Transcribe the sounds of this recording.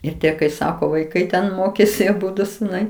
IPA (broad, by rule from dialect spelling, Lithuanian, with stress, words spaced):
ɪr ˈtʲiɛ kɐɪ ˈsɑːkoː ʋɐɪˈkɐɪ tʲɛn ˈmoːkʲeːsʲɪ ɐˈbʊdʊ sʊˈnɐɪ